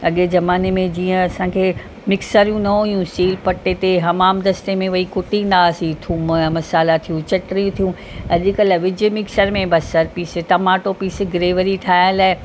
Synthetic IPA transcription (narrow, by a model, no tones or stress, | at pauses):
ɐɠezɐmaːnemẽd͡ʑiːə̃ɐsãːkʰeː | mɪksəɾijũnɐɦujũsiːlpɐʈːet̪eɦɐmaːmd̪ɐst̪emẽʋɐikʊʈĩnd̪aːsĩt̪ʰũːmmɐsaːlat̪ʰijũt͡ɕɐʈɾijũt̪ʰijũ | ɐʄɪkəlaʋɪd͡ʑmɪksəɾmẽbɐsːɐɾpiːset̪ɐmaːʈopiːsɡɪɾeːʋəɾiʈ̪ʰaːɪnlaːɪ